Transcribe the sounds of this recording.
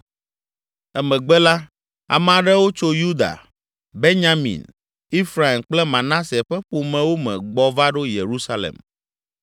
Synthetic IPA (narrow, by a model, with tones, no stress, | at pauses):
ɛ˦mɛ̃˨ɡ͡bɛ˦la˦ | a̰˨mã˨ɖɛ˦wo˦t͡ʃo˦ju˦d̪a̰˨ | be˦ɲã˦mḭ̃˨n | i˦fɾa˨i˨mk͡plɛ˦mã˨nã˦se˨ɸɛ˦ɸu˨mɛ̃˨wo˦mɛ̰̃˨ɡ͡bɔ˨va˦ɖo˦je˨ɾu˦sa˦lḛ˨m